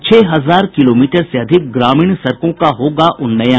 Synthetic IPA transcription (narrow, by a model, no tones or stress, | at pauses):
t͡ʃʰɛːɦɐzaːɾkɪloːmiːʈəɾseɐd̪ʱɪk̚ɡɾaːmiːɳsɐɾkõkaɦoːɡaʔʊnːɐjã